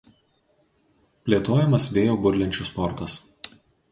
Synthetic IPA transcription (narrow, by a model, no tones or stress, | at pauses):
pʲlʲeːt̪oːjɛmɐsʋʲeːjoːbʊɾʲlʲɛnʲt͡ʃʲʊspɔɾt̪ɐs